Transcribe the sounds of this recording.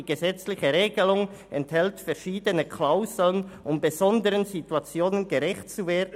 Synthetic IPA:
iɡ̥əzɛt͡slɪçəɾeːɡəlʊŋɛnthɛltfɛʃiːdənəkʰlaʊzl̩ənʔʊmbəzɔndəɾənzituat͡sjoːnənɡəɾɛçtt͡suveːdn

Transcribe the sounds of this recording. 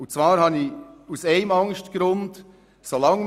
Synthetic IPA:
ʊnt͡svɑːɾhɑniuseɪmɑŋʃtɡ̥ɾʊnd | solɑŋ

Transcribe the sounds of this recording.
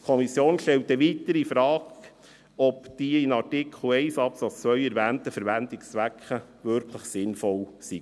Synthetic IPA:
kʰɔmisjoːnʃtɛltːɛʋitəɾifɾɑːɡ | ɔpd̥iːɪnɑɾtɪkʰl̩ɛɪsɑpsɑt͡st͡sʋœʏɛɾvæːntəfəɾʋændɪkst͡sʋækχəʋʏɾkʰləχsɪnfɔlsi

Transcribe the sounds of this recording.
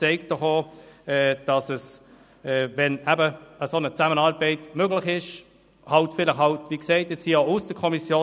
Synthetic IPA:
t͡sɛɪkt̚d̥ɔχoːɛːd̥ɑsəs | ɛːvɛnæbəəsonət͡sæmənɑlbɛɪtmøɡlɪχɪʃ | hɑltfɪlɪχhɑltviːkseɪtjɛt͡shiəoʊsd̥əkʰɔmisjoː

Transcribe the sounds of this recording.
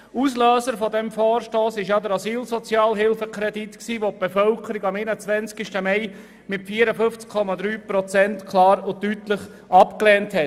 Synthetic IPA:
usløːsəɾfɔdɛmfɔːɾʃtoːsɪʃjɑd̪əɾɑsiːlsɔt͡sjɑːlɦɪlfəkʰɾɛditksiːʋop̚b̥efœlkʰəɾɪɡɑmenət͡sʋɛnt͡skiʃtəmɛɪ | mɪtfiːəɾəfʏnft͡skʰɔmɑd̪ɾyːpɾɔt͡sɛntkʰlɑːɾʊtytləχ | ʔɑpklɛːnthɛt

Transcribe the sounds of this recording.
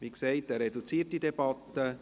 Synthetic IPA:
ʋikseɪtɛɾɛdut͡siːt̚d̥idɛb̥ɑt̪ːə

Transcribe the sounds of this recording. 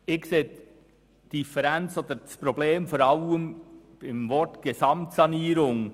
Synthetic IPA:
ɪkseː | d̥ifɛɾɛnt͡soːd̪ədɑspɾobleːmfoːɾɑwəmb̥ɪmvɔɹtɡ̥esɑmtsɑniːɾʊŋ

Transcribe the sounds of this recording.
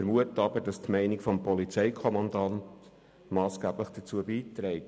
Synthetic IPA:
əɾmuətəɑbədɑstmɛɪnɪɡfɔmpɔlit͡sɛɪkʰɔmɑndɑnt | mɑːsɡ̥æːbləχd̥ət͡suəbiːtɾɛɪt

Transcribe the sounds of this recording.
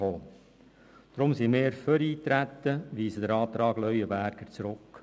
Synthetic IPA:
oː | d̪̥ɾʊmsimeːɾføɾiːt̪ɾæt̪ːəʋiːsəd̪əɾɑːt̪ɾɑːɡlœʏəbæɾɡ̥əɾt͡sɾʊk

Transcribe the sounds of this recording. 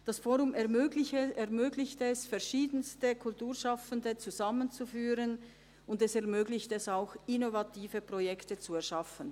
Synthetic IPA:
d̥asfoːʁʊmɛlɪɛɐmøːɡlɪçtəɛsfɛɐʃiːdənstəkʰʊltuːɐʃafəndət͡suzamənt͡sufyːʁən | ʊndɛsɛɐʁmøːɡlɪçtəɛsaʊxɪnovatʰiːvəpʁojɛktət͡suɛɐʃafən

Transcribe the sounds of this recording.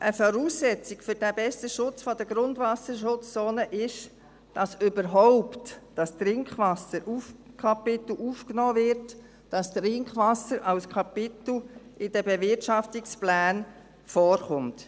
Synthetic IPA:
ʔəfɔɾuːsːɛt͡sɪkfʏɾdæbɛstəʃʊt͡sfɔdəɡɾʊndvɑsəɾʃʊt͡st͡sɔːnəʔɪʃ | d̥ɑsʏbəɾɦɔʊptd̥ɑstɾɪŋkχvɑsəɾʔufkʰɑpɪt̪l̩ʔuːfknɔːvɪɾt | d̥ɑstrɪŋkχʋɑsəɾʔɑlskʰɑpɪtl̩ʔɪd̥əbɛvɪɾtʃɑftiksplæːn | fɔːɾχʊmt

